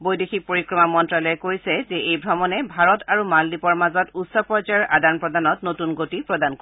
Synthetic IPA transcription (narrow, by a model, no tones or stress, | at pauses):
bojdexʰik̚poɹikɹɔmamɔntɹalɔjɛkojsɛzɛejbʱɹɔmɔnɛbʱaɹɔtʰaɹumaldipɔɹmazɔtutsɔpɔd͡ʒajɔɹʔadanpɹɔdanɔtnotunɡotipɹɔdank